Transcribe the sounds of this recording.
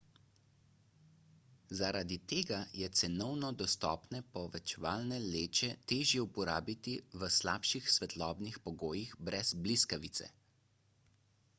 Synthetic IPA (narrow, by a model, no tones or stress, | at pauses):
zaɾad̪it̪eːɡajɛt̪sɛnɔwnɔd̪ɔst̪ɔ̰ːpnɛpɔʋɛt͡ʃɛʋaːlnɛleːt͡ʃɛt̪eːʒjɛupɔɾaːbit̪iʋəslaːpʃixsʋɛt̪lɔːbnixpɔɡoːjiɣbɾɛz̥bliskaʋit̪sɛ̰